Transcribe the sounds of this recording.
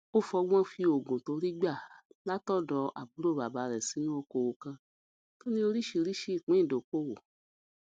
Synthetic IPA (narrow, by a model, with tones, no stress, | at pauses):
o˦fɔ˧ɡɔ̃˦fi˧o˨ɡõ˨to˨˧˦ɾi˦ɡ͡ba˦˨la˦tɔ˦˨dɔ˧ʔa̰˨bu˨˦ɾo˦˨ba˨ba˨˦ɾɛ˨si˨˦nũ˦o˧˦ko˧wo˧kã˧ | to˦nĩ˦o˧ɾi˦ʃi˧ɾi˦ʃi˦˨k͡pĩ˨˦ĩ˦˨do˨ko˦˨wo˨